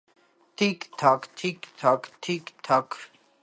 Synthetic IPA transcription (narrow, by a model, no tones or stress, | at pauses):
t̪ʰikt̪ʰakt̪ʰikt̪ʰakt̪ʰikt̪ʰakʰ